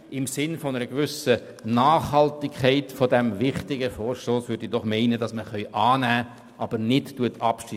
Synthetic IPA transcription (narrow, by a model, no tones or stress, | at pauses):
ɪmsɪnfonəɾəɡvʏsə | nɑːχhɑltɪkʰɛɪtfodɛmvɪχtɪɡəfɔːɾʃtoːsʋʏɾdidɔχmɛɪnədɑsməχœʏʔɑːnæː | ʔɑb̥əɾnɪttuətʰɑpʃi